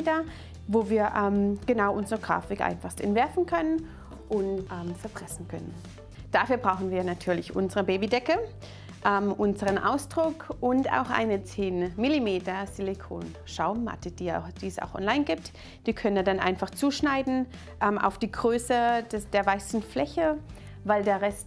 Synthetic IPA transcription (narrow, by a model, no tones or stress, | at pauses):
tɐ | voːviːɐʔɛːmɡ̥ənaʊʔʊnzəʁəɡʁa̰ːfɪkʔa̰ɪnfaχstʔɛ̰ntv̥ɛɐfn̩kʰœnən | ʔʊntʔɛːmt͡sɛɐfʁ̥ɛsn̩kʰœ̰nə̰n | d̥afyːɐbʁaʊxn̩viːɐnatʰyːɐlɪçʔʊ̰nzəʁəbeːbidɛkə | ʔɛːmʔʊnzəʁənʔa̰ʊsd̥ʁʊkʔʊnta̰ʊxʔa̰ɪnət͡seːnmilimeːtɐz̥ilikʰo̰ːn | ʃaʊmmːa̰tʰəd̥iːd̥iːɛsa̰ʊxʔɔ̰nlaɪnɡiːp̚t | d̥iːkʰœnənːɐdanʔa̰ɪnfaχt͡suːʃnaɪdn̩ | ʔɛmʔa̰ʊfd̥iːɡʁøːsədd̥eːɐvaɪsn̩flɛçə | vaɪldeːɐʁɛst